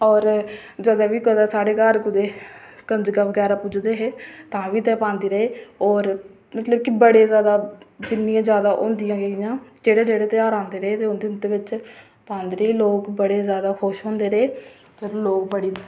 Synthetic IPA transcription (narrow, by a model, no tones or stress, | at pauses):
ɔːɾd͡ʒəd̪eːʋiːkəd̪aːsaːɽeːkaɾkʊd̪eːkənd͡ʒɡaːʋəɡɛːɾaːpʊd͡ʒd̪eːɦeːt̪ãːʋiːt̪ɛːpãːnd̪iːɾəeːɔːɾ | mət̪ləbkɪbəɽeːzjaːd̪aːd̪ɪnɪjãːzjaːd̪aːʔõːnd̪ijãːɡeːɪjãːd͡ʒeːɽeːd͡ʒeːɽeːt̪ɪjaːɾãːnd̪eːɾəeːt̪eːʊnd̪ɪnt̪eːʋɪt͡ʃ | pãːnd̪ɾeiːloːkbəɽeːzjaːd̪aːkʰʊʃɦõːnd̪eːɾeː | p̪əɾloːkbəɽiː